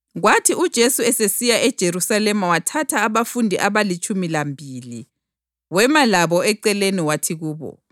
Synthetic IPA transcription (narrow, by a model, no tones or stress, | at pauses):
ɣwatʰiud̥ʒ̥ʱesuɛsesijaʔɛd̥ʒ̥ʱeɾusalɛmawatʰatʰaːβafundʱiʔaβalit͡ʃʼumilambʱili | wɛmalaβɔɛǀɛleniwatʰiɣuːβɔ̰